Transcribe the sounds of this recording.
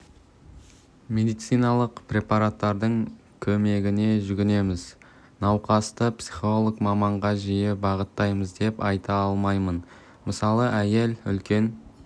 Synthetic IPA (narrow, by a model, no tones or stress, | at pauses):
mʲe̞d̪ijt̪sɨjnɑlˠəqpɾʲe̞pɑɾat̪ːɑɾd̪əɴ | kʲʰɵme̞ɡʲɪne̞ʒʏɡʲɪne̞mɪz | nɑwqɑst̪əpsiχo̞lˠokmɑmɑɴʁɑʒijɪbɑʁət̪ːɑjməzd̪e̞pɑjt̪ɑɑlˠmɑjmən | məsɑlˠəʔæje̞lʏ̰lkʲe̞n